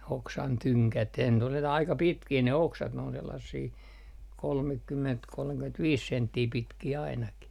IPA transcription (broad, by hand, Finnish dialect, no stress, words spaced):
oksɑn tyŋkæt ɑikɑ pitkiː ne oksɑt n oːn selːɑsːiː kolmekːymːent kolmekymentʋiːs sentːiː pitkiː ɑinɑki